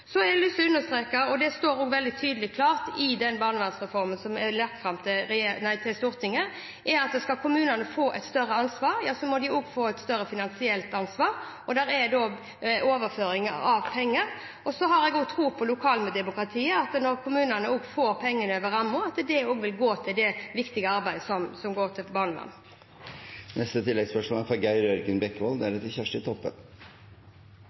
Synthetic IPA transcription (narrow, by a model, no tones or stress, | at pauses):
sɔɛɛlɪsːɔʉnːəst̪ɾeːkɑɔd̪ɛst̪oːɾɔːɡʋɛld̪ɪt̪ʰyːd̪əlɪkʰlɑːʁt̪ɪd̪ɛnbɑːʁnəʋɛnsʁɛfɔɾmənsɔmɛlɛt̪ːfɾɑmt̪ʰɪɾeːnæɪt̪ʰɪlst̪uːɾt̪ʰɪŋːə | ʔɛɑt̪̚d̪ɛskɑkʰʊmʉːnənəfoːʔɛt̪st̪œrːəɑnsʋɑːɾjɑːsɔmɔd̪ɪoɡfoːɛt̪st̪œɾːəfɪnɑnsɪɛlt̪ɑnsʋɑːɾ | ɔd̪æɾɛd̪oː | oːʋəføːɾɪŋə̰ɑʋpʰɛŋːəɾ | ɔsɔɦɑɾɛɡoːɡt̪ʰɾuːpʰɔlʊkʰɑːlməd̪ɛmʊkɾʁɑt̪ʰiːəɑt̪nɔɾkʰʊmʉːnənəoːɡfoːɾpʰɛŋːənøːʋəɾɑmːʊɑt̪d̪ɛoːɡʋɪlɡoːt̪ʰɪld̪ɛʋɪkt̪ɪɡəɑɾbæɪd̪əsɔmsɔmɡoːʁt̪ʰɪbɑnmɑ̰n | nɛst̪ət̪ʰɪlːɛɡspœʂmɔæɾfɑɡæɪɾœɾɡənbɛkːʋɔld̪ɛæɾɛt̪ːçæʂʈɪt̪ʰɔpːə̰